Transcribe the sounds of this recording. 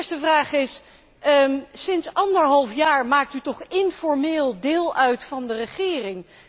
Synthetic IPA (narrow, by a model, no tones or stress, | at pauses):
ɹstəvraːχɪs | əsɪnsɑndəɹɦɑlˠfjaːɹmaːk̚tytɔχɪnfɔɹmeːlˠdɪːlˠœɥtfɑndərəχɪːrɪŋ